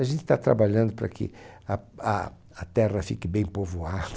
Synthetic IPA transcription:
aʒẽnt̪ɪ̥t̪at̪ɾa̰baʎɐ̃nd̪ʊpɾɐ̰kʰɪ̰ɐɐ̰ | ɐt̪ɛʁɐfikɪbẽj̃povoad̪̥ɐ

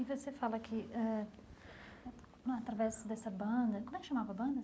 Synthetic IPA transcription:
ivosefalɐkʰɪɛ | at̪ɾavɛzd̪ɛsɐbɐ̃nd̪ɐkomɛkʃamavɐbɐ̃nd̪ɐ

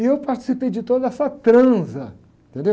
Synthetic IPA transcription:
ɪewpaɾt͡ʃi̥sipejd͡ʒɪt̪od̪ɐɐsɐt̪ɾɐ̃zɐ | ẽt̪ẽnd̪e

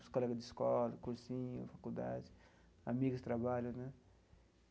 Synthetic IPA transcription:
skɔlɐkɪd̪ɪskɔlɐkuɾsĩɲṵfakuld̪a̰d͡ʒi | amiɡʊst̪ɾabalʊnɛ

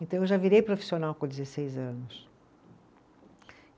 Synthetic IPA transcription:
ẽnt̪ɐ̃w̃ewʒaviɾejpɾofi̥sionawkõd͡ʒɪzesejzɐ̃nʊs

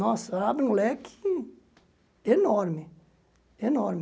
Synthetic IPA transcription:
nɔsabnlɛkʰi̥ | enɔɾmɪ | enɔɾm

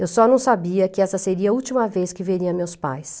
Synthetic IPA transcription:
ewsɔnɐ̃w̃sabiɐkɪɛsɐseɾiɐuwt͡ʃimɐveskɪveɾiɐmewspa̰js

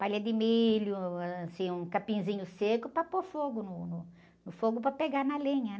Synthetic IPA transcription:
palɐd̪ɪmiʎʊaasĩũkapĩzĩɲʊsekʊpɾɐpoɾfoɡʊnʊnʊ | nʊfoɡʊpɾɐpeɡaɾnɐlĩɲɐ

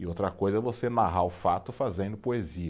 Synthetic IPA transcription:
ɪowt̪ɾɐkojzɐɛvosenaɦaʊfat̪ʊfazẽnd̪ʊpoeziɐ

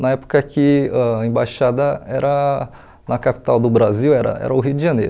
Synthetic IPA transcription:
nɐɛpo̥kɐkɪaẽbaʃad̪ɐɛɾɐ | nɐkapi̥t̪awd̪ʊbɾaziwɛɾɐ̰ɛ̰ɾɐʊɦiʊd͡ʒɪʒɐ̃nḛjɾʊ

